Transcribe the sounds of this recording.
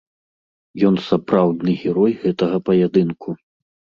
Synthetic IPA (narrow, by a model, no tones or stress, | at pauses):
jɔnsapɾawd̪nɨɣʲɛɾɔjɣɛt̪ɐɣɐpɐjad̪ɨnkʰu